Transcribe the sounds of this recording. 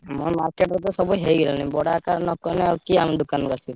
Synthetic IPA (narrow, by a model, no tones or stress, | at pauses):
mɔma̰ɾkeʈɾɔt̪ɔsɔbujɦejɡɛlɔnĩbɔɽakaɾnɔkɔneɔkiamid̪ukanɔkasi